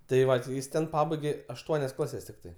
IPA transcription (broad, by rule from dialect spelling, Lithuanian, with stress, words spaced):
tɐɪ ˈʋɐ tʲɪ ˈjɪs ˈtʲɛn ˈpɑːbɐɪɡʲeː ɐʃˈtuɔnʲɛs ˈklˠɑːsʲɛs tʲɪkˈtɐɪ